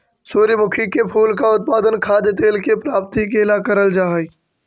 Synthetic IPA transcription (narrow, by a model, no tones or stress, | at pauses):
suːɾjəmʊkʰikepʰuːlkaʊt̪̚paːd̪ənkʰaːd̪ət̪eːlkepɾaːp̚t̪ikelaːkəɾəld͡ʒaːɦi